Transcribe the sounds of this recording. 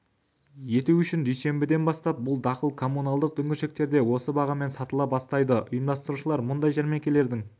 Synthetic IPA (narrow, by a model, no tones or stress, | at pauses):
je̞t̪uʏʃɪnd̪ejse̞mbɪd̪e̞nbɑst̪ɑp̚bʊlˠd̪ɑqəlˠkʰo̞munɑlˠd̪əq̚d̪ʰʏŋɡʲɪʃek̚t̪e̞ɾd̪e̞wo̞səbɑʁɑme̞nsɑt̪əlˠɑp̚bɑst̪ɑjd̪əʔʊ̰jəmd̪ɑst̪əɾuʃəlˠɑɾmʊnd̪ɑjʒæɾme̞kʲe̞le̞ɾd̪ɪŋ